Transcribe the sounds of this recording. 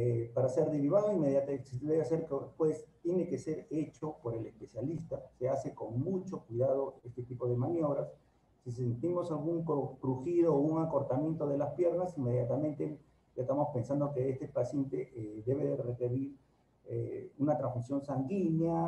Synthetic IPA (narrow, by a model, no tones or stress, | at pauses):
epaɾase̞ɾðeɾiβaðoimeðjat̪sd̪eβeaseɾkepwest̪je̞ne̞kese̞ɾe̞t͡ʃo̞po̞ɾe̞lespe̞sjalist̪ase̞ase̞ko̞ŋmut͡ʃo̞kwiðað̞o̞e̞st̪et̪ipo̞ð̞emanjo̞βɾasː | is̬ent̪imo̞salɣuŋkkɾuxiðo̞uŋako̞ɾt̪amjẽ̞nt̪o̞ð̞e̞laspje̞ɾnasiŋme̞ðjat̪amẽ̞nt̪e | ʝaest̪amo̞spe̞nsand̪okeest̪epasje̞nt̪eðe̞βeðerekeɾiɾ | eunat̪ɾãnzsmisjo̞nsaŋɡinja